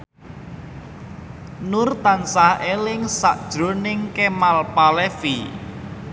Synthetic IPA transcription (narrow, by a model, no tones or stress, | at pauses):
nʊrt̪ansahelɪŋsa̰ʔd̥ʒ̥ɾonɪŋkemalpalɛfi